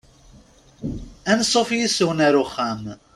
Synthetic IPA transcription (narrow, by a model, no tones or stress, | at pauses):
ænsˤofjisʊwnaɾuχæm